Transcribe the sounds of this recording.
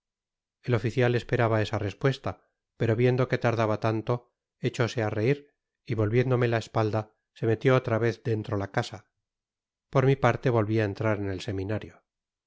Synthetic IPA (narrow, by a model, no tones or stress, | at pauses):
e̞lo̞fiθjale̞spe̞ɾaβae̞sare̞spwe̞st̪a | pe̞ɾo̞βje̞nd̪o̞ke̞t̪aɾðaβat̪ant̪o̞ | et͡ʃo̞se̞are̞iɾ | iβo̞lβjend̪o̞me̞laespald̪a | se̞me̞t̪joot̪ɾaβe̞θd̪e̞nt̪ɾo̞lakasa | po̞ɾmipaɾt̪e̞βo̞lβiae̞nt̪ɾaɾene̞lse̞minaɾjo